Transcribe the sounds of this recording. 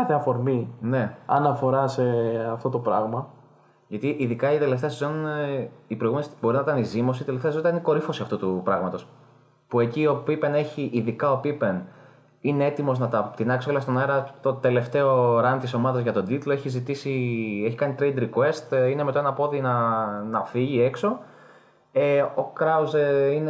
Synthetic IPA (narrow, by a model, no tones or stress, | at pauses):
ɐθeɐfo̞ɾmine̞ɐ̰nɐfo̞ɾɐse̞ɐft̪o̞t̪o̞pɾɐɣmɐ | ʝɐt̪iʔiðikɐit̪e̞le̞ft̪eɐsezo̞n | ipɾjɣuensibo̞ɾinɐit̪ɐnizimosit̪eleft̪esonɐɐniko̞ɾifo̞siɐft̪ut̪upɾɐɣmɐt̪o̞s | pue̞cio̞pipe̞ne̞çiʔiðikɐo̞pipe̞n | ine̞et̪imo̞znɐt̪ɐpt̪inɐksioleɐst̪o̞nɐeɾɐt̪o̞t̪e̞le̞ft̪e̞o̞ɾɐnt̪iso̞mɐðɐzʝɐt̪o̞d̪it̪loe̞çizit̪isie̞çikɐnit̪ɾe̞jd̪ɾikwe̞st̪inemet̪oe̞nɐpo̞ðinɐnɐfiʝie̞kso̞ | eokɾɐuzeine